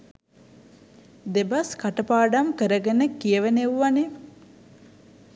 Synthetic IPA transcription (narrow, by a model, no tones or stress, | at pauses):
d̪ebaskaʈəpaːɖamkəɾəɡənəkijəʋəneʋʋane